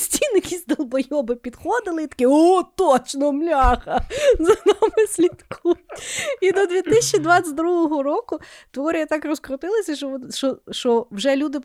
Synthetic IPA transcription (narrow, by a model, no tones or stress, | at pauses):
sʲtʲinjɐkʲisʲtʲd̪ɐlˠbɐjɔbɪpʲid̪xɔd̪ɪlˠɪit̪ɐ̥kɪɔt̪ɔt͡ʃnɔmlʲɑxɐzɐnamɪsʲlʲit̪kʰu | id̪ɔd̪ʋʲit̪ɪsʲt͡ʃːid̪ʋɑt͡sʲɐt̚ʲd̪ɾuɦɔɦɔɾɔkʊt̪ʋɔɾʲijɐt̪ɑkrɔskɾɔt̪ɪlˠɐsʲɐʃɔʃɔʃt͡ʃɔʋʒɛlʲud̪ɪ